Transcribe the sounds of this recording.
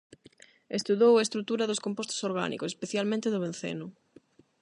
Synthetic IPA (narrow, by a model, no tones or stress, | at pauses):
est̪uðowaest̪ɾut̪uɾɐðʊskõmpost̪o̥soɾɣa̰nḭkosespeθjalmẽnt̪eðʊβẽnθḛnʊ